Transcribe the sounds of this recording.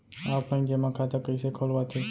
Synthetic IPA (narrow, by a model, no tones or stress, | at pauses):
aːpə̃ĩd͡ʒemãkʰat̪akəisekʰoːlʋat̪ʰe